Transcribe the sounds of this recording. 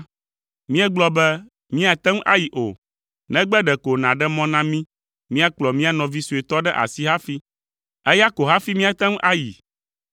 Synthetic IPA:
mĩ˦ɛ˦ɡ͡blɔ˦bɛ˦ | mĩ˦a˨t̪ɛ˦ŋ˦ʔa˦ji˨ʔo˨ | nɛ̃˦ɡ͡bɛ˦ɖɛ˨ko˨nã˨ɖɛ˦mɔ̃˦nã˦mĩ˦ | mĩ˦a˦k͡plɔ˨mĩ˦a˦nɔ̃˨vi˦su˨e˨t̪ɔ˦ɖɛ˦ʔa̰˨si˦ɦa˦fi˦ | ɛ˦ja˦ko˨ɦa˦fi˦mĩ˦a˨t̪ɛ˦ŋ˦ʔa˦jḭ˨

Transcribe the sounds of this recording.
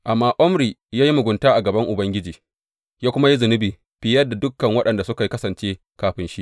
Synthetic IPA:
ʔa˨mːaː˦ʔɔ˦mɾiː˨jaː˦ji˦mʊ˨ɡʷʊ˨ntaː˦ʔa˨ɡɐ˨bɐ˦ŋʔʊ˨bɐ˦ŋɡʲɪ˦d͡ʒiː˨ | jaː˦kʷʊ˦ma˦ji˦zʊ˨nɪ˦biː˨ | ɸɪ˦jɐ˦da˨dʊ˦kːɐ˨ŋwɐ˦ɗɐ˨nda˨sʊ˦ka˨ji˦kɐ˦sɐ˨nt͡ʃeː˦ | kaː˨ɸɪ˨nʃi˦

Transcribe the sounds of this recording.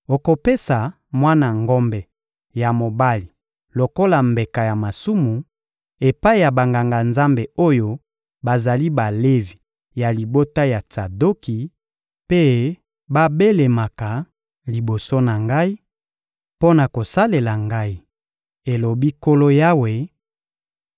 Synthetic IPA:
o˨ko˨pe˦sa˨ | mwa˦na˨ŋɡɔ˦mbɛ˨ | ja˨mo˨ba˦li˨ | lo˨ko˦la˨mbe˨ka˨ja˨ma˨su˦mu˨ | e˨pa˦i˦ja˨ba˨ŋɡa˨ŋɡa˨nza˦mbe˨o˦jo˦ | ba˨za˨li˦ba˨le˦vi˨ | ja˨li˨bo˦ta˦ja˨ta˨do˦ki˨ | pe˦ | ba˦be˦le˨ma˨ka˨ | li˨bo˨so˦na˨ŋɡa˦i˦ | po˦na˨ko˨sa˦le˨la˨ŋɡa˦i˦ | e˨lo˨bi˦ko˦lo˦ja˦we˨

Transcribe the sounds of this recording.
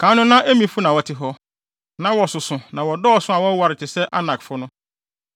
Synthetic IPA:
kʰã˨˦nʊ̃˦nã˦ʔe˦mĩ˨fʊ˦nã˨wɔ˨tʰɪ˦ɦɔ˦ | nã˦wɔ˨sʊ˨sʊ̃˨nã˨wɔ˨dɔː˦˨sʊ̃˦a˨wɔ˦wa˨ɾɪ˨t͡ɕʰɪ˨sɛ˦ʔa̰˦nã˨kfʊ˦nʊ̃˦

